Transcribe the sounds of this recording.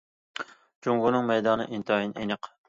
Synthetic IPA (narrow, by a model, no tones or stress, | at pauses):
d͡ʒuŋʁʊnɨŋmɛjd̪ɑnɨ̰ʔint̪ʰɑjinʔḛnɨq